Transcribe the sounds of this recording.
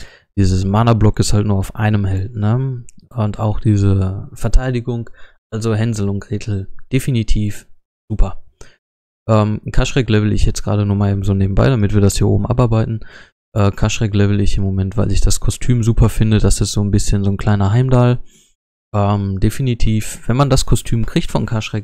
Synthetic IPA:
d̥iːzəsmaːnɐblɔkɪsthaltnuːɐaʊfʔa̰ɪnəmɦɛltnəʔʊntʰa̰ʊxd̥iːzəfɛɐtʰaɪdɪɡʊŋʔalzoɦɛnzl̩ʊnt̚ɡ̥ʁeːtʰl̩d̥efinitʰiːf | z̥uːpʰɐ | ʔɛːmkʰaʃʁ̥ɛklɛvl̩ɪ̰çjɛt͡sɡ̥ʁa̰ːdənuːɐmaːleːbmzoːneːbm̩ba̰ɪɾamɪtv̥iːɐdashiːɐʔo̰ːbm̩ʔa̰paɐbaɪtn̩ | ʔɛːkʰaʃʁ̥ɛklɛvl̩ɪçɪmːomɛntv̥aɪlɪçd̥askʰɔstʰyːmzuːpʰɐfɪndəd̥asɪsz̥oːnbɪsçənzoːnkl̥aɪnɐɦaɪmdal | ʔɛːmdefinitʰiːfv̥ɛnmandaskʰɔstʰyːmkʁ̥ɪçtfɔnkʰaʃʁ̥ɛk

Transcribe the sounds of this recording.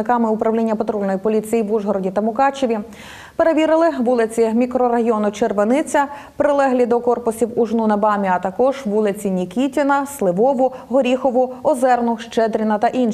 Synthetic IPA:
ɪkɑmɪʊpɾɐwlʲinʲːɐpet̪ɾɔlʲnɔjipɔlʲit͡sʲijiʋuʒɦɔɾɔdʲit̪ɐmʊkɑt͡ʃɔʋʲi | peɾeʋʲiɾɪlˠɪʋulˠɪt͡sʲimʲikɾɔɾɐɦiɔnʊt͡ʃerʋenɪt͡sʲɐ | pɾɪlˠɛɦlʲid̪ɔkɔrpʊsʲiwʊʒnunɐbɑmʲiɐt̪ɐkɔʒʋulˠɪt͡sʲinʲikʲitʲɪnɐslˠɪʋɔʋʊɦɔɾʲixɔʋʊɔzɛrnʊʃt͡ʃɛd̪ɾʲinɐt̪ɐʔin

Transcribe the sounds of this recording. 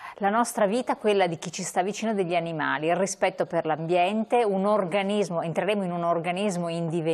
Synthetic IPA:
lanɔst̪ɾaviːt̪aɛkwelːad̪ik̟it͡ʃist̪avːit͡ʃiːnod̪eʎːianima̰ːliirispɛt̪ːoperlambjɛnt̪eunorɡanizmoent̪ɾeɾeːmoinunorɡanizmoind̪ive

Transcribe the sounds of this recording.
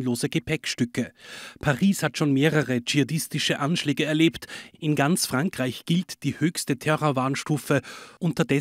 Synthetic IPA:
nloːzəɡəpʰɛkʃtʏkəpʰaʁiːshatʃoːnmeːʁəʁəd͡ʒiadɪstɪʃəʔanʃlɛːɡəɛɐleːptʔɪnɡant͡sfʁ̥aŋkʁ̥aɪçɡ̥ɪltd̥iːhøːçstətʰɛʁovaːɐnʃtuːfəʔʊntɐdɛ

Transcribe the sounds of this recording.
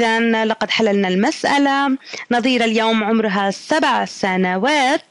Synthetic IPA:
ðanlɑqɑd̪ħalːalnalmasʔa̰lanɑðˤiːɾaljoːmʕʊmɾʊɦasabʕsanawaːt̪̚

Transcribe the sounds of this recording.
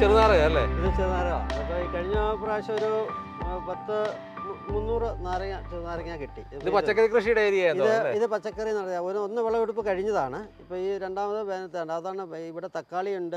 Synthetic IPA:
t͡ɕerunaːrɐɣɐɐlːḛːiðɨt͡ɕerunaːrɐɣa̰ɐpːoːiːkɐɻiɲːɐpraːɕɐoɾu | pɐt̪ːɨ | munːuːrɨnaːɾɐat͡ɕerunaːɾɐŋːaːkiʈːiiðɨiðɨpɐt͡ɕːɐkːɐrikrɨʂijuɽeːɾiaeiðɨeiðɨpɐt͡ɕːɐkːɐrinɐɽɐjaoɾonːɨʋeɭːɐʋiɽup̬ːɨkɐɻiɲːɐðaːɳɨipːoːiːɾe̞ɳɖaːmɐðɨbeːnɐt̪ːɨaɳɖaɐðaːɳɨiʋiɽet̪ɐkːaːɭijuɳɖɨ

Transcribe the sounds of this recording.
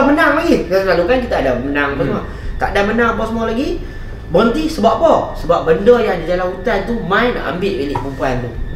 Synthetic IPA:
mənaŋlaɡiaslalukankit̪aːdamənaŋapasəma | k̪a̰ʔadamənaŋapɔsəmualaɡi | bənt̪isəbaʔpɔsəbaʔ̚bəndəjaŋdid͡ʒalanut̪ant̪umãina̰ʔa̰mbɪʔbilɪʔpəmpuant̪u

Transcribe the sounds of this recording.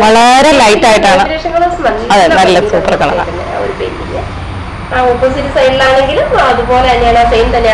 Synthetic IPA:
ʋɐɭɐɾe̞lɐjtːaːjiʈːaːɳɨɾeːʂɐŋːɐɭosmɐɐðɨnɐlːɐsuːpːɐrkːɐɭɐ̰ɭɐ̰ɐnːḛo̰ɾupeːɾijɐ | aopːɐsitːusɐjnilaːɳe̞ŋɡilumɐðupo̞ːleɐnːeaːɳaːsɐjnt̪ɐnːe

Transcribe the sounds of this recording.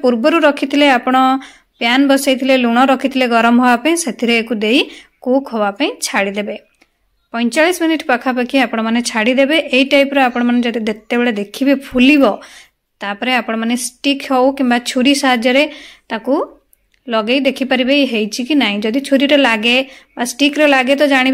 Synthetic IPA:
puɾbɔɾuɾɔkʰit̪ʰileapɔɽ̃ɔ | pjanbɔsajt̪ʰileluɽ̃ɔɾɔkʰit̪ʰileɡɔɾɔmɦɔbapaĩset̪ʰiɾeːkud̪ejkukɦɔbapaĩt͡ʃʰaɽid̪ebe | pɔ̃j̃t͡ʃaɭisminiʈpakʰapakʰiapɔɽ̃ɔmanet͡ʃʰaɽid̪ebeʔeiʈajpɾɔapɔɽ̃ɔmaned͡ʒɔd̪id̪et̪ebeɭed̪ekʰibepʰulibɔ | t̪apɔɾeapɔɽ̃ɔmanesʈikɦewkimbat͡ʃʰuɾisaɦad͡ʒjɔɾet̪aku | lɔɡejd̪ekʰipaɾibejɦejt͡ʃʰikinaɦĩd͡ʒɔd̪it͡ʃʰuɾiɾɔlaɡebasʈikɾɔlaɡet̪ɔd͡ʒaɽ̃ib

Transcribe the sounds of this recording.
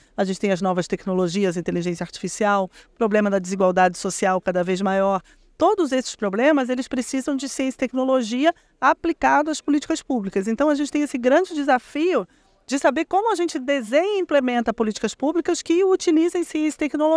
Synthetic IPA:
aʒẽt͡ʃɪ̥t̪ẽj̃ɐznɔvɐst̪ɛknoloʒiɐzĩt̪eliʒẽsjɐaɾt͡ʃi̥fisiawpɾoblẽmɐd̪ɐd͡ʒɪziɡwawd̪ad͡ʒɪsosiawkad̪ɐvejzmajɔɾ | t̪od̪ʊzesɪ̥spɾoblẽmɐzelɪspɾesizɐ̃w̃d͡ʒɪsiẽsɪt̪ɛknoloʒiɐ | aplikad̪ʊɐspolit͡ʃi̥kɐspublikɐszẽnt̪ɐ̃w̃ɐʒẽnt͡ʃɪt̪ej̃esɪɡɾɐ̃d͡ʒɪd͡ʒɪzafiʊ | d͡ʒɪsabeɾkõmʊɐʒẽnt͡ʃɪd̪ezẽɲĩplemẽnt̪ɐpolit͡ʃi̥kɐspublikɐskɪut͡ʃilizẽj̃siẽsɪ̥t̪ɛknolo

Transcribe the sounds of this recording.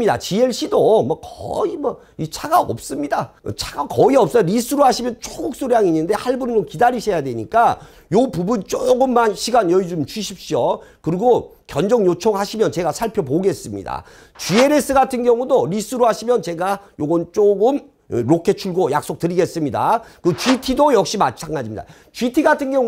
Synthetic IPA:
ida̰t͡ɕieɭɕ͈ʰidomʌkʌ̰imʌ | it͡ɕʰaɡaʌ̰p̚s͈ɯmɲida̰t͡ɕʰaɡakʌiʌp̚s͈ʌɾisʰɯɾohaɕʰimjʌnt͡ɕʰoɡuk̚s͈oɾjaŋiɲːɯnde̞haɭbunɯd͡ʑomkidaɾiɕʰejadwe̞ɲik͈a | jopubunt͡ɕ͈oɡɯmːanɕʰiɡanjʌid͡ʑomt͡ɕuɕʰip̚ɕ͈iokɯɾiɡo | kjʌnd͡ʑʌŋjot͡ɕʰoŋɦaɕʰimjʌnt͡ɕe̞ɡasʰaɭpʰjʌpoɡe̞s͈ɯmɲḭda̰ | t͡ɕie̞ɾe̞s͈ʰɯɡatʰɯnɡjʌŋudoɾis͈ʰɯɾoɦaɕʰimjʌnt͡ɕe̞ɡajoɡʌnt͡ɕ͈oɡɯm | ɾokʰe̞t͡ɕʰuɭɡojak̚s͈ok̚tɯɾiɡe̞s͈ɯmɲida̰kɯt͡ɕuitʰidojʌk̚ɕ͈imat͡ɕʰaŋɡad͡ʑimɲid̥a̰ | t͡ɕɥitʰiɡatʰɯnɡjʌŋ

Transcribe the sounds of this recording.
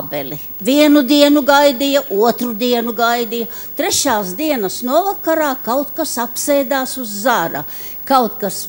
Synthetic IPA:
bɛli | viɛnud̪iɛnuɡajd̪ijɐʔuɔt̪ɾud̪iɛnuɡajd̪ijɐt̪ɾɛʃaːsd̪iɛnɐsnuɔvakaɾaːkawt̪kasapsɛjd̪aːsuzːaɾɐ̰kawt̪kas

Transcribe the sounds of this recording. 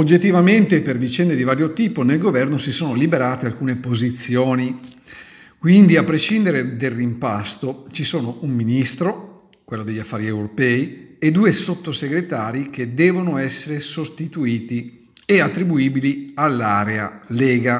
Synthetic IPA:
od͡ʒːet̪ːivament̪epervit͡ʃɛnd̪ed̪ivaːɾjot̪iːponelɡovɛrnosisoːnolibeɾaːt̪ealkuːnepozit̪sːjoːni | kwind̪iapːɾeʃind̪eɾed̪erːimpast̪ot͡ʃisoːnoumːinist̪ɾo | kwelːod̪eʎːafːaːɾiewɾopɛːied̪uːesot̪ːoseɡɾet̪aːɾik̟ed̪ɛːvonoɛsːeɾesost̪it̪uiːt̪i | eat̪ːɾibuiːbilialːaːɾea̰leːɡa

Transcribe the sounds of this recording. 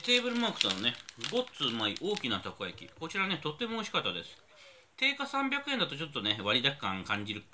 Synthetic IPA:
t̪e̞ːbɯ̟ɾɯ̟makɯ̟̥sanone̞ɡo̞t͡sɨːmaiʔo̞ːkʲinat̪ako̞jakʲḭko̞t͡ɕiɾane̞t̪o̞t̪ːe̞moːɕi̥kat̪ːad̪e̞sɨ̥ | t̪e̞ːkasãmbʲjakɯ̟end̪at̪ot͡ɕo̞t̪ːo̞ne̞βaɾʲid̪akkːã̰ŋkãɲ̟d͡ʑiɾɯ̟

